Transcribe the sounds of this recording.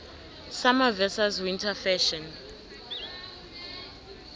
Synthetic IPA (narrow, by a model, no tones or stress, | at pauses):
samavɛsaswintʰafɛʃɔn